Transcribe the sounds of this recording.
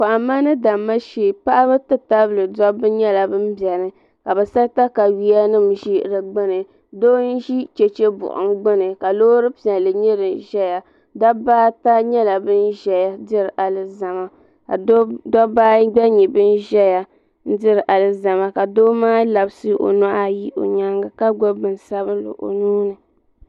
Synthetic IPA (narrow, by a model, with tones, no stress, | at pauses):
ka˨ʔa˨ma˦nɨ˦da˨mːa˦ʃeː˨pa˦ʔa˦bɨ˦tɨ˦ta˦bɨ˨lɨ˨dɔ˦bɨ˦ɲɛ˦la˨bɨ˦m˦bjɛ˨ɾɨ˨ | ka˨bɛ˨sa˦ta˦ka˨wi˦a˦nɨ˦˨mʒi˦ʔɾɨ˨ɡ͡bɨ˦nɨ˨ | doː˦n̩˦ʒi˦t͡ʃe˨t͡ʃe˦bʊ̰˨ʔʊ̰˨ŋ˦ɡ͡bɨ˦nɨ˨ka˨loː˦ɾɨ˦pi˨a˨lɨ˨ɲɛ˦ɾɨ˨ʒɛ˦ja˨ | da˦baː˦ta˦ɲɛ˦la˨bɨ˦n˦ʒɛ˦ja˦dɨ˦ɾɨ˨ʔa˨lɨ˦za˨ma˦˨˦ | dɔ˦baː˦ɡ͡bɛ˦ɲi˨bɨ˦nʒɛ˦ja˨ | n̩˦dɨ˦ɾɨ˨ʔa˨lɨ˦za˨ma˨˦ka˨doː˦maː˦la˨bsɨ˦ʔo̰˨na˦ʔa˦ji˦o̰˨ɲa˦ŋɡa˨ka˦ɡɔ˦bɨ˨n˨sa˦βɨ˦lɨ̰˨ʔo̰˨nuː˦nɨ˨